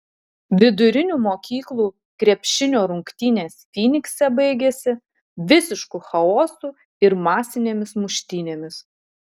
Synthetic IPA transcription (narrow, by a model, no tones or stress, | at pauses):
ʋʲɪd̪ʊɾʲɪnʲuːmoːkʲiːklˠuː | kɾʲɛpʲʃʲɪnʲoːɾʊŋkt̪ʲiːnʲeːsfʲiːnʲɪksʲɛbɐɪɡʲesʲɪ | ʋʲɪsʲɪʃkuxɐoːsuː | ɪɾmɑːsʲɪnʲeːmʲɪsmʊʃʲt̪ʲiːnʲeːmʲɪs